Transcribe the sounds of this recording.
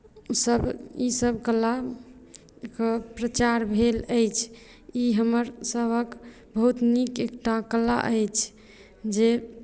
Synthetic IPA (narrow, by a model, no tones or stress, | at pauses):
usəbisəbkəlːa | kəpɾət͡ʃaɾbʱeləjt͡ʃʰ | iɦəməɾsəbʱək | bəɦut̪nikekʈakəlːa̰ʔəjt͡ʃʰ | d͡ʒe